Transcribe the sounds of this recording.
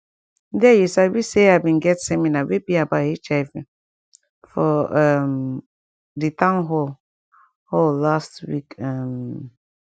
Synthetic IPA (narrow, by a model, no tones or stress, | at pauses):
dɛjusawiseabĩnɡɛtsɛminawebiabahit͡ʃaɪvĩn | fɔam | ditãnɦɔl | hɔllastwḭkam